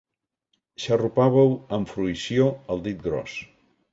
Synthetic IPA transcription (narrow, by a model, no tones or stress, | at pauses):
ʃərupaβəwəɱfɾuisjoəlˠd̪it̪̚ɡɾɔ̰s